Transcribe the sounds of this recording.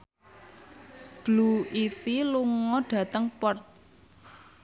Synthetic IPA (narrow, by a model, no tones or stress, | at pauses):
b̥luifiluŋɔɖ̥ä̤t̪əŋpɔrt̪̚